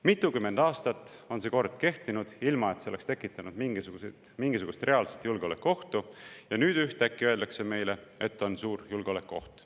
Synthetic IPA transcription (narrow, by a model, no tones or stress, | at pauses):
mit̪ːˑukymːe̞nd̪̥ɑːst̪ɑt̪ˑːo̞nse̞ko̞rd̪̥ke̞ht̪inud̪̥ilmɑe̞t̪seoest̪e̞kːˑit̪ːˑɑnud̪̥miŋɡisuɡuse | miŋɡ̥is̬uɡ̥ust̪rʔe̞ɑlset̪julɡeole̞kːuo̞ht̪ujɑnyːd̪̥yht̪ækːiøe̞ld̪̥ɑkse̞me̞jle̞et̪ːˑo̞nsuːrjulɡ̥eo̞le̞kːuo̞̰ht̪